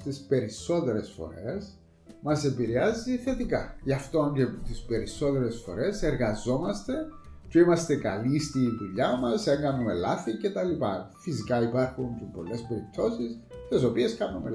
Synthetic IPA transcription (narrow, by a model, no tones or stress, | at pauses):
t̪ispe̞ɾiso̞t̪eɾesfo̞̰ɾes | mɐse̞piɾeɐziθe̞t̪ikaʝɐft̪oncet̪ispe̞ɾisːo̞t̪eɾesfo̞̰ɾe̞se̞ɾɣɐzo̞mɐst̪e̞ | ceimɐst̪e̞kɐ̰list̪iðuʎːamɐseŋɡɐnːumelaθicet̪ɐlipɐ̰fisikɐipɐɾxunt̪po̞lːe̞spe̞ɾip̚t̪ʰo̞sist̪es̬o̞pie̞skɐnːume